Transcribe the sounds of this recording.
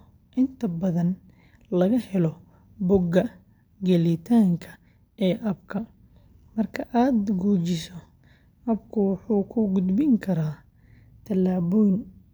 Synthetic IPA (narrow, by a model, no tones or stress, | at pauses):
ʔɪnt̪ʰɐbɐðɐn | lɐɣɐhɛlɔ | bʊɡɐ | ɡɛlɪt̪ʰaːŋkʰɐ̥ | ɛːʔɐb̚kʰɐ | mɐrkʰɐʔaːd̪ɡuːt͡ʃɪsɔ | ɐbkʰʊwʊħuːkʰʊɡʊd̪bɪŋkʰɐɾaː | t̪ʰɐlaːβɔjn